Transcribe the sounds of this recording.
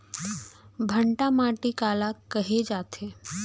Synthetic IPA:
bʱəɳʈamaːʈikaːlakɐɦed͡ʒaːt̪ʰe

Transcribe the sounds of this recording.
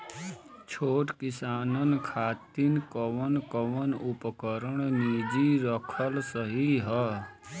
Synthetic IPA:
t͡ʃʰoːʈkɪsaːnənkʰaːt̪inkəʋənkəʋənupkəɾəɳ̃nid͡ʒiɾəkʰəlsəɦiɦə

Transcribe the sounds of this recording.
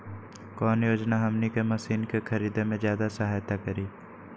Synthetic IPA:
kɔːnjoːd͡ʒnaɦɐmnikemɐsiːnkexʰɐɾiːd̪emẽzjaːd̪asɐɦaːjt̪akəɾiː

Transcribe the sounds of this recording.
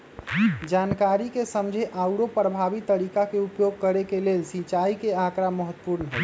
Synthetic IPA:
d͡ʒankaɾikesəmd͡ʒʱeʔawɽopɾəbʱabit̪ːəɾikakeupjoɡ̚kəɾekelelsit͡ʃaikeakɾaməɦət̪ːəpuɾnɦɛ

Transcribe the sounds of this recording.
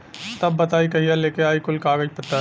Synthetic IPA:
t̪ɐbːɐt̪aːikɐɦijaleːkeaːikʊlkaːɡəd͡ʒpɐt̪ːə

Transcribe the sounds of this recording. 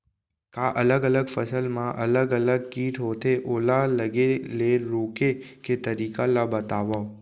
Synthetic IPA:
kaʔələɡələɡfəsəlmãʔələɡələɡ̚kiːʈʰɦot̪ʰeʔolaləɡeleɾokeket̪əɾikalabət̪aʋa

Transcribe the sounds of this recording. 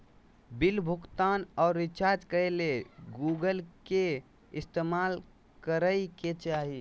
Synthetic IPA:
bilbʱukt̪anɔːɾːit͡ʃaɾd͡ʒkəɾeleɡuɡəlke | ist̪emal | kəɾəiket͡ʃaɦi

